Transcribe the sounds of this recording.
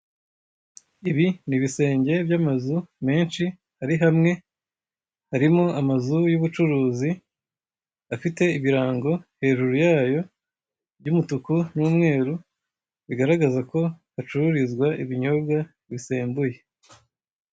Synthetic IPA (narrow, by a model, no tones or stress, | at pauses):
iβiniβise̞ːɲɟe̞bjamazume̞ːnʃi | haɾiɦamŋe̞ | haɾimoamazujuβut͡ʃuɾuːzi | afite̞iβiɾaːŋɡo̞he̞ʒuɾujaːjo̞ | bjɟuːmutukunuːmŋe̞ːɾu | βiɡaɾaɡazako̞hat͡ʃuɾuɾizɡwaʔiβiɲo̞bɡa | βise̞ːmbuje̞